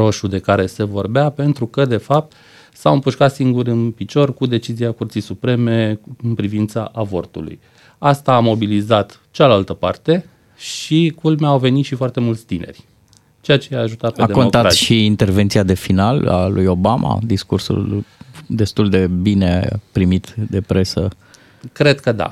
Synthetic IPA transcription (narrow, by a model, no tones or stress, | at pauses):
ɾo̞ʃud̪e̞kaɾe̞se̞vo̞rbeape̞nt̪ɾukəd̪e̞fap̚t̪ | sawɨmpuʃkat̪siŋɡuɾɨnpit͡ʃo̞rkud̪e̞t͡ʃiziakurt̪sijsupɾe̞me̞ɨnpɾivint̪sa̰ʔːvo̞̰rt̪ṵlṵj | ast̪aːmo̞bilizat̪ | t͡ʃealalt̪əpa̰rt̪e̞ | ʃikulmaawve̞nit̪ʃifoart̪e̞mult̪sʲt̪inʔe̞̰rʲ | t͡ʃejat͡ʃe̞jaːʒut̪at̪̚pead̪ekonokt̪aɾaʃiint̪e̞rvent̪siad̪e̞finala̰lujo̞bamʔa̰d̪iskursṵld̪e̞st̪uld̪e̞binḛpɾimit̪d̪e̞pɾe̞sə | kɾed̪kəd̪a̰